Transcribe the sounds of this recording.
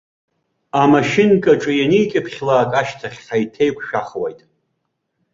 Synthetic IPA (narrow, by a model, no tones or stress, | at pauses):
amaʃɪnkʼaʈ͡ʂʼajanijkʲʼɪpʰχʲlaːkʼaʃtʰaχʲajtʰejkʷʰʃᶣaχwajtʼ